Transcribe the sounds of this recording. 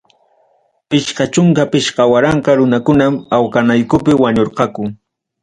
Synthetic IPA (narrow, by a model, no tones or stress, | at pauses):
pɪʃqɑt͡ʃʊŋkapɪʃqɑwaɾɑɴqɑɾʊnakʊnamawkanajkʊpɪwaɲoɾqɑkʊ